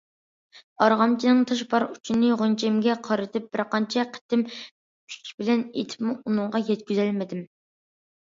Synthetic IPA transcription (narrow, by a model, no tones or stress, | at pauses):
ɑɾʁɑmt͡ʃʰinɪŋt̪ʰɑʃ̬bɑɾut͡ʃʰinɨʁont͡ʃʰɛmɡʲɛqʰɑɾɨt̪ʰɪp̚b̥ɪɾqɑnt͡ʃʰɛqʰə̥t̪ːɪm | pʰy̥kʲbɪlɛnḛt̪ʰɪ̥pmuunɨŋʁɑjɛt̪̚kʲyzɛlmɪd̪ɪm